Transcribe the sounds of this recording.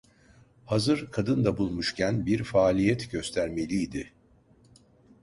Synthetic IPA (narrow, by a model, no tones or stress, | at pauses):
hazɯɾkʰad̪ɯnd̪abulˠmuʃcʰænbiɾfaːlʲijɛt̪ɟø̞st̪ʰæɾme̞lʲijːd̪ɪ